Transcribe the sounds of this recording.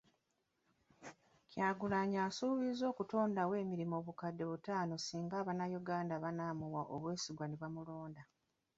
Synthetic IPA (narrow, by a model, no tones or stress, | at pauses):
cjaːɡulaːɲaːsuːβizo̞ːkuto̞ːndawe̞ːmiɾimo̞ːβukadːe̞βutaːno̞siːŋɡaːβanːajuɡaːndaβanaːmuwaʔo̰βwe̞ːsiɡwaniβamulo̞ːnda